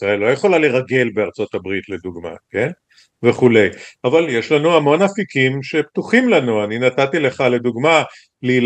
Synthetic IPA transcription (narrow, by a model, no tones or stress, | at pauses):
aelːojeχo̞laleʁaɡe̞lbeaʁt͡so̞t̪abʁit̪le̞d̪uɡma̰ke̞n | ve̞χule̞javaljeʃlanuamo̞nafikimʃe̞p̚t̪uχimlanuaninatatile̞χale̞d̪uɡma | liːl